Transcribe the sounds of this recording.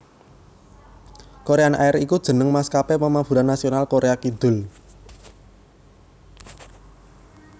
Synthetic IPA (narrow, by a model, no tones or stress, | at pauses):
koɾeanʔaɛɾikud̥ʒ̥ə̤nəŋmaskapepəmab̥uɾanːasionalkoɾeakid̪̥ʊ̤l